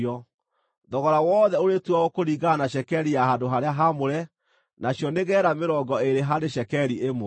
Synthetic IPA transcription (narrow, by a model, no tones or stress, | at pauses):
ɔ | ðɔɣɔɾawɔːðɛoɾetuaɣokoɾiɣanaɕɛkɛɾijaɦadoɦaɾeaɦamoɾɛ | naɕjɔneɣɛːɾameɾɔɡɔeɾeɦaɾeɕɛkɛɾiemo